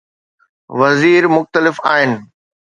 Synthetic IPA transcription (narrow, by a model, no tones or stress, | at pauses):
ʋɐziːɾmʊxt̪əlɪfaːɦɪnɪ̆